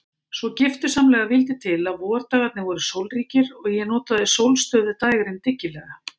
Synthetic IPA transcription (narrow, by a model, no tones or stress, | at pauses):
svɔcɪft̪ʏ̥samlɛːɣavɪlt̪ɪt̪ʰɪlaðvɔːaɾ̥t̪aːɣat̪nɪvɔːɾʏsowlriːcɪɾɔɣjɛnɔːt̪aðɪsowlst̪œːðɪt̪aːjɣɾɪnt̪ɪcːɪlɛɣa